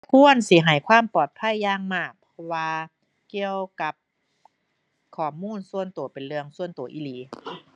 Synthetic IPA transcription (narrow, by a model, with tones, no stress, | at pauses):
pʰu˧˥˨ənsi˧˦ɦa˨˩jkʰwaː˧˥˨mpɔː˨˩t̪̚pʰa˧˥˨jːaː˧˩ŋmaː˧˩k̚pʰɔ˧waː˧ | ki˧əwka˧˦p̚ | kʰɔː˨˩muː˧˥˨nsu˧ənt̪u˨˩˦pe˨˩nlɯ˧əŋsu˧ənt̪uː˨˩˦ʔi˧˨liː˨˦